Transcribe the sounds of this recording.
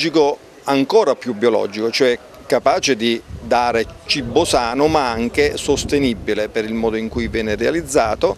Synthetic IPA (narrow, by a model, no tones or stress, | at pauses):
d͡ʒiko | aŋkɔːɾapjubːiolɔ̰ːd͡ʒikot͡ʃoɛ | kːapaːt͡ʃed̪id̪aːɾet͡ʃibːosaːnʊmaaŋk̟esost̪enibːilepeɾilmɔːd̪oiŋkujvjɛːnɪrealid̪zːaːt̪o